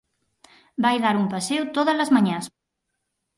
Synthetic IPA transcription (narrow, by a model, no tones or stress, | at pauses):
bajðaɾumpɐsewt̪oðəlɐzmɐɲãs